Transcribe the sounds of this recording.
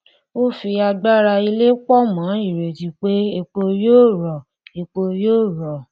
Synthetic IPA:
o˦fi˧a˧ɡ͡ba˦ɾa˧i˧le˦k͡pɔ˦mã˨˦i˦˨ɾe˨ti˨˧k͡pe˦e˧k͡po˧joː˦˨ɾɔ˨ | e˧k͡po˧joː˦˨ɾɔ˨

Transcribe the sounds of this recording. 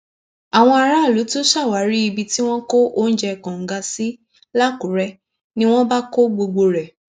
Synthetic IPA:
a˨w̃ɔ̃˧a˧ɾa˦˨lu˨˦tu˦ʃa˦˨wa˨˦ɾi˦i˧bi˧ti˦w̃ɔ̃˦ko˦ʔo˦n̩˦d͡ʒɛ˧˨kã˨ŋ̩˨ɡa˧si˦ | la˦˨ku˨˦ɾɛ˧ | nĩ˦w̃ɔ̃˦ba˦ko˦ɡ͡bo˧ɡ͡bo˧ɾɛ˨

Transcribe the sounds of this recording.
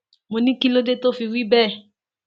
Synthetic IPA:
mo˨nĩ˦ki˦lo˦de˦to˦fi˧wi˦bɛ˦˨

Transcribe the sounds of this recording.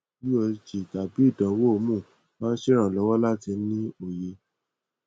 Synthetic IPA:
i˦ɔ˧d͡ʒi˨ta˨bi˨˦i˦˨dɔ̃˨˦wo˦o˧mũ˦˨ | mãː˦ʃe˦ɾ̃ã˨lɔ˨˦wɔ˦la˦ti˧nĩ˦o˨je˧

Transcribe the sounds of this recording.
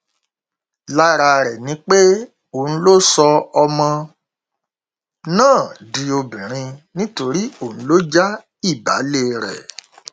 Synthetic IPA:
la˦ɾa˧ɾɛ˨nĩ˨˧˦k͡pe˦ | o˦˨ñ̩˦lo˦sɔ˧ɔ˧mɔ̃˧ | nãː˦˨di˧o˧bĩ˨ɾ̃ĩ˧nĩ˦to˧ɾi˦o˨ñ̩˨˦lo˦d͡ʒa˦ | i˦˨ba̰˨˦le˦ɾɛ̰˨

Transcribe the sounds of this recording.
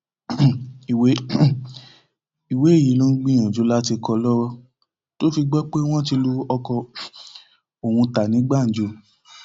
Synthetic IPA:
i˨we˦ | i˨we˨˦e˦˨ji˨˦lo˦n̩˦ɡ͡bĩ˦j̃ã˨d͡ʒo˨˧˦la˦ti˧kɔ˧lɔ˦wɔ˧ | to˦fi˧ɡ͡bɔ˦k͡pe˦w̃ɔ̃˦t̬i˧lu˦ɔ˧kɔ˧ | o˨hũ˧ta˨nĩ˨˦ɡ͡ba˦˨n̩˨˦d͡ʒo˧˦

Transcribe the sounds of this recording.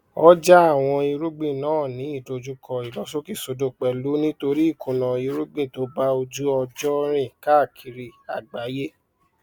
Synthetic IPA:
ɔ˦d͡ʒa˦a˦˨w̃ɔ̃˧i˧ɾu˦ɡ͡bĩ˦˨nãː˦˨nĩ˨˦i˦˨do˧d͡ʒu˦kʰɔ˧i˨lɔ˨˦so˦ki˦˨so˨˧do˨k͡pɛ˨lu˨˦nĩ˦to˧ɾi˦i˦˨kʰõ˨nã˨i˧ɾu˦ɡ͡bĩ˦˨to˨˦ba˦o˧d͡ʒu˦ɔ˧d͡ʒɔ˦ɾ̃ĩ˦˨ka˦˨kʰi˨˧ɾi˧˨a̰˨ɡ͡ba˨˦je˦

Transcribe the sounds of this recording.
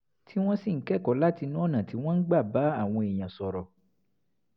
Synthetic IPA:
tʰi˦w̃ɔ̃˦si˦˨ŋ̩˦kɛ˦˨kɔ˨˦la˦ti˧nũ˦ɔ˦˨nã˨ti˨˦w̃ɔ̃˦n̩˦ɡ͡ba˦˨ba˨˦a˦˨w̃ɔ̃˧e˨j̃ã˨sɔ˨ɾɔ˨

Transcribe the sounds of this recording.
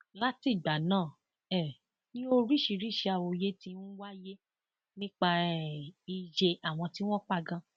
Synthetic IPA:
la˦ti˦˨ɡ͡ba˨nãː˦˨ | ɛ˦˨ | nĩ˦o˧ɾi˦˨ʃi˧ɾi˦˨ʃe˧a˧˨wo˧je˦tĩ˧˦n̩˦wa˦je˦ | nĩ˦k͡pa˧ | i˧d͡ʒe˧a˨w̃ɔ̃˧ti˦w̃ɔ̃˦k͡pa˦˧ɡã˧

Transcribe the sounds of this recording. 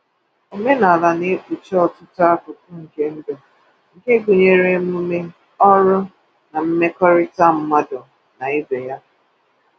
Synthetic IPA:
e˨me˦na˨a˨la˨ne˨˦k͡pu˨t͡ʃɔ˦ɔ˨tʊ˦tʊ˦a˦kʊ˨tʊ˦ŋ̩˨ke˦n̩˦do˨ | ŋ̩˨ke˦ɡu˨ɲe˨ɾe˦m˦u˦me˦ | ɔ˦ɾʊ˦ | na˨m̩˦me˦kɔ˦ɾɪ˦ta˦˨m̩˦ma˦dɔ˨ | na˨ɪ˦be˨ja˦

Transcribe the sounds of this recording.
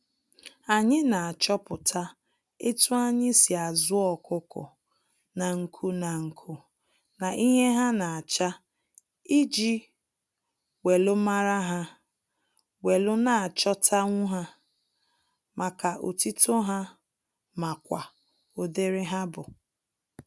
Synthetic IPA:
a˨ɲɪ˦na˨a˨t͡ʃɔ˦pʊ˨tʰa˦ | e˦tʊ˦a˦ɲɪ˦si˨a˨zʊ˦ɔ˨kʊ˦kʊ̰˨ | na˨ŋ̩˨kʰu˦na˨ŋ̩˨kʰu˦ | na˨ʔi˦ɦe˦ɦa˦na˨a˨t͡ʃa˦ | i˦d͡ʒi˦ | we˨lʊ˦ma˦ɾa˦ɦa˦ | we˨lʊ˦na˨a˨t͡ʃɔ˦tʰa˦ŋʷu˦ɦa˦ | ma˨ka˨ʔo̰˨ti˦to˦ɦa˦ | ma˨kʷa˨ | o˨de˦ɾɪ˦ɦa˦bʊ˨

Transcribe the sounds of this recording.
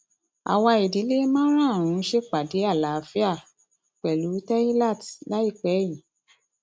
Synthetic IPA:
a̰˨wa˧e˨di˨˦le˦mãː˦ɾ̃ã˦˨ɾ̃ũ˧˦ʃe˦k͡pa˨de˨˦a˦˨la˨˦˨fi˦a˦˨ | k͡pɛ˨lu˨˦tɛ˦i˦la˦˨tla˦i˦˨k͡pɛ˨˦i˨

